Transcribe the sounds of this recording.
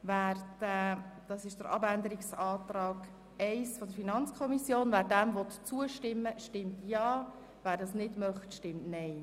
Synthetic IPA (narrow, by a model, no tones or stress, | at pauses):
ʋæːɾd̥ɛd̥ɑsɪʃd̥əɾʔɑ̰bænd̪əɾiksɑːt̪ɾɑːɡ̥ | ɛɪsfɔd̪əɾfinɑnt͡skʰɔmisjoːnvæːɾdæmvɔt̪t͡suəʃtɪmːəʃtɪmtjɑː | væːɾdɑsnɪdmœχtʃtɪmtnɛɪ